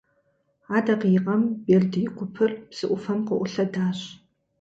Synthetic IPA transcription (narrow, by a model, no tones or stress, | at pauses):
aːdɐqjɪqʼɐmberdɨjɪkʷʰʊpʰɨrpsɨʔʷʊfɐmqəʔʷʊɬɐdaːɕʼ